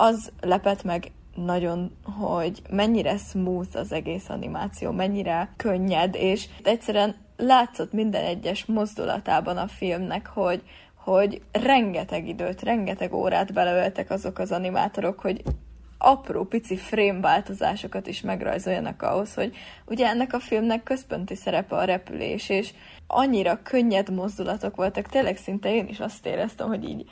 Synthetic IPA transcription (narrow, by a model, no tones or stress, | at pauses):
ɒzlɛpɛt̪mɛɡ | nɒɟo̞nɦoɟmɛɲːiɾɛsmuːt̪ɒzɛɡeːsɒ̰nimaːt̪sijo̰ːmɛɲːiɾɛkø̞ɲːɛd̪eːʃt̪ɛc̚tsɛɾyɛn | laːt̪so̞t̪mind̪ɛ̰nɛɟːɛʃmo̞zd̪ṵlɒ̰t̪aːbɒnɒfilmnɛkho̞ɟ | ho̞ɟrɛŋɡɛt̪ɛɡid̪øːt̪rɛŋɡɛt̪ɛɡo̰ːɾa̰ːd̪bɛlɛølt̪ɛkɒzo̞kɒzɒnima̰ːt̪o̞ɾo̞kho̞ɟ | ɒproːpit̪sifreːmvaːlt̪o̞za̰ːʃo̞kɒt̪iʃmɛɡrɒ̰jzojːɒ̰nɒ̰kɒ̰ɦo̞sho̞ɟuɟɛɛnːɛkɒfilmnɛkːø̞spo̞nt̪isɛɾɛpɛɒɾɛpy̰lḛːʃeːʃ | ʔɒ̰ɲːiɾɒkʰø̞ɲːɛd̪mo̞zd̪ulɒt̪o̞kʋo̞lt̪ɒkt̪eːlɛɡsint̪ɛeːnʔiʃɒst̪ḛːɾɛst̪ɛ̰mɦo̞ɟḭːɟ